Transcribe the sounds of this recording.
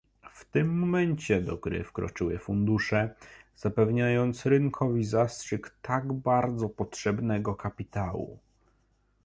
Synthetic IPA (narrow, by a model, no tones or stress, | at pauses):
ft̪ɘmːɔmɛɲt͡ɕɛd̪ɔɡɾɘ̰fkɾɔ̰t͡ʂɘwɘfund̪uʂɛz̥apɛvɲajɔnt̪sɾɘŋkʰɔvʲizastʂɘkt̪aɡbaɾd̪zɔpɔtʂɛbnɛɡɔkapʲit̪awṵ